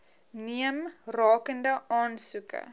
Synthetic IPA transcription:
niəmrɑːkəndəɑːnsukə̰

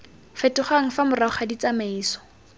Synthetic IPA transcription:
fɛtʊχaŋ̩famʊraʊχadit͡samaiːsɔ̥

